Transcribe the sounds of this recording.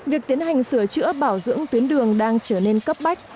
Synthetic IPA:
vi˨˩ək̚t̪i˨˦ənɦa˨˩jŋ̟sɨ˧˩ət͡ɕɨ̰˧˥əɓaː˧˩wzɨ̰˧˥əŋt̪wi˨˦ənɗɨ˨˩əŋɗaː˧ŋt͡ɕəː˧˩ne˧nkə˦˥p̚ɓa˦˥jk̟̚

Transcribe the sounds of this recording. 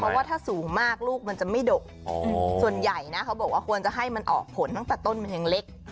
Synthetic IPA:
pʰɾɔ˦˥waː˥t̪ʰaː˥˩suː˨˩˦ŋmaː˥˩k̚luː˥˩k̚ma˧nt͡ɕa˨˩ma˥˩jdoː˨˩k̚ɔ˧su˨˩ənja˨˩jna˦˥kʰa˦˥wbɔː˨˩k̚waː˥˩kʰu˧ənt͡ɕa˨˩ɦa˥˩jma˧nʔɔ̰ː˨˩k̚pʰo˩˦nt̪a˥˩ŋt̪ɛː˨˩t̪o˥˩nma˧nja˧ŋle˦˥k̚

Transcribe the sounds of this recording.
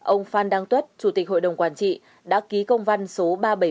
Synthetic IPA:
ʔə˧wŋ͡mfaː˧nɗaː˧ŋt̪wə˦˥t̚t͡ɕu˨˧˩t̪i˨˩k̟̚ho̰˧˨jɗə˨˩wŋ͡mkwaː˧˩nt͡ɕḭ˧˨ | ɗa̰ː˧˥ki˨˦kə˧wŋ͡mva˧nso˨˦ɓaː˧ɓə˧˩

